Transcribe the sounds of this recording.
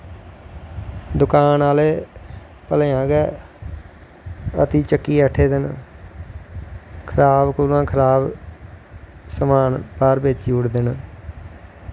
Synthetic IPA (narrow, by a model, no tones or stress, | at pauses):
d̪ʊkaːnaːleː | pəleːãːɡɛː | ə̰t̪iːt͡ʃəkːiːəʈʰːeːd̪ɪn | kʰəɾaːbkʊlãːkʰəɾaːb | səmaːnpaːɾbeːt͡ʃiːʊɽd̪ɪn